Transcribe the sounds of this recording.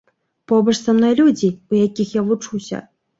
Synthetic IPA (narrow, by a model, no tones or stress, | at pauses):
pɔbɐʂsamnɔjlʲud͡zʲiujakʲixjavut͡ʂuwsʲɐ̰